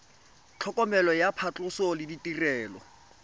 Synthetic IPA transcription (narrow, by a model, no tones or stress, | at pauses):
t͡ɬʰɔkʼɔmɛlɔjapʰat͡ɬʼʊsɔlɪditirɛːlɔ